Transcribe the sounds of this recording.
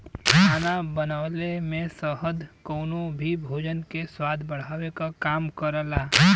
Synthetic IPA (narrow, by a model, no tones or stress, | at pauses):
aːnabənaʋlemẽsəɦəd̪koːnõbʱibʱoːd͡ʒənkeswaːd̪ʱbəɽ̤aːwekakaːmkəɾəlaː